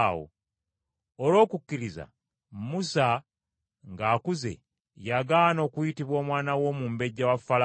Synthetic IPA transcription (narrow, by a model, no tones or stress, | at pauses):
wo̰ | olo̞ːkukːiɾiza̰ | musa | ŋɡaːkuze̞̰ | jaɡano̞ːkujitiβwo̞ːmwaːnawo̞muːmbe̞ɟːawafːala